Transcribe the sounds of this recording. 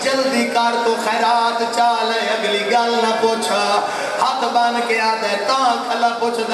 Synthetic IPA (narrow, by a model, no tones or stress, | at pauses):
d͡ʒəlːd̪iːkaːɾt̪oːxɛːɾaːt̪t͡ʃaːlə̃əɡliːɡaːlnə̃poːt͡ʃʰa | haːt̪ʰbaːnkeːaːɾd̪ẽːt̪əʋãːkʰəlaːpoːt͡ʃʰd̪